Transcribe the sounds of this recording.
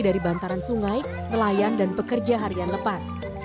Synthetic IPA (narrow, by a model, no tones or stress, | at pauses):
daɾibant̪aɾansuŋaj | nəlajandanpəkərd͡ʒaɦaɾianləpas